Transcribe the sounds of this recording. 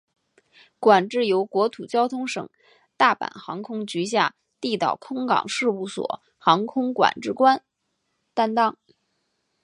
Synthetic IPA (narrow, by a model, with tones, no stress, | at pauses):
kwa˨˩nʈ͡ʂɻ̩˥˩jo˧˥ʊkwɔ˧˥t̪ʰu˨˩t͡ɕjɑ˥ʊt̪ʰʊ˥ŋʂɤ̰˨˩˦ŋ | t̪a˥˩pa̰˨˩nxɑ̰˧˥ŋkʰʊ˥ŋt͡ɕy˧˥ɕ̬ja˥˧ | t̪i˥˧t̪ɑ˨˩ʊkʰʊ˥ŋkɑ̰˨˩ŋʂɻ̩˥˧u˥˩swɔ̰˨˩˦ | xɑ˧˥ŋkʰʊ˥ŋkwa̰˨˩nʈ͡ʂɻ̩˥˩kwa˥n | t̪a˥nt̪ɑ˥ŋ